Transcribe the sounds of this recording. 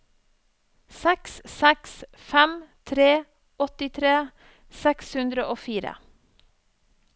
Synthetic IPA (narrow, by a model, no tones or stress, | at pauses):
sɛkssɛks | fɛmt̪ʰɾeː | ɔt̪ɪt̪ʰɾeː | sɛkshʉnd̪ɾəʔoːfiːɾə̰